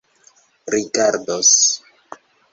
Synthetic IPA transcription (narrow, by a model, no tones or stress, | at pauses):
ɾiɡaɾdos